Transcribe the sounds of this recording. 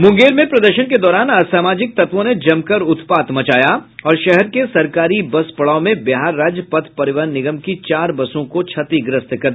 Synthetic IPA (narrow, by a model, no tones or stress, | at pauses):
mʊ̃ŋɡeːɾmẽpɾɐd̪əɾʃənked̪ɔːɾaːnɐsaːmaːd͡ʒɪk̚t̪ɐt̪ʋõned͡ʒɐmkɐɾʊt̪paːt̪mɐt͡ʃaːjaɔːɾʃɛɦɛɾkesɐɾkaːɾibɐspɐɭaːomẽbɪɦaːɾːaːd͡ʒpɐt̪ʰpɐɾɪʋəːnnːɪɡəmkit͡ʃaːɾbɐsõkot͡ʃʰɐt̪iɡɾɪst̪kɐɾd̪